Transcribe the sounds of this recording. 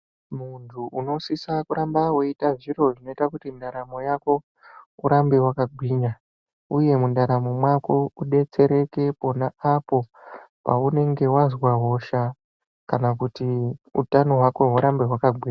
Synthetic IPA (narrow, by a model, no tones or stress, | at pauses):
muntʰuʔuno̞sisakuɾambawoitaʐiro̞ʐino̞itakutindaɾamo̞jako̞ | uɾambewakaɡʱwiɲa | uje̞mundaɾamo̞mwako̞uɗe̞t͡se̞ɾe̞ke̞po̞naapo̞ | pa̰une̞ŋɡe̞wazwaɦo̞ʃa | kanakutiṵtano̞ɦwako̞ɦuɾambe̞ɦwakaɡʱwiːɲa